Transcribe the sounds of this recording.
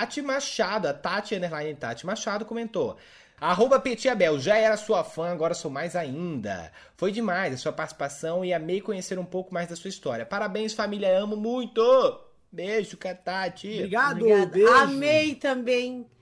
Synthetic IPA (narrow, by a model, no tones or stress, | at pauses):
at͡ʃimaʃad̪ʊɐt̪at͡ʃɪɐ̃nd̪eɾlaj̪̃t̪a̰t͡ʃɪmaʃad̪ʊkõmẽnt̪o | aaɦobɐpet͡ʃiabɛwʒaɛɾɐsuɐfɐ̃aɡɔɾɐsowmajzaĩnd̪ɐ̰ | fojd͡ʒɪmajzɐsuɐpaɾt͡ʃʲsi̥pasɐ̃w̃ɪamejkõɲeseɾũpowkʊmajzd̪ɐsuɐist̪ɔɾiɐpaɾabẽj̃sfamilʲjɐɐ̃mʊmũj̃t̪ʊ | beʒʊkat̪at͡ʃiɾiɡaʊad̪d̪eamejt̪ɐ̃bẽj̃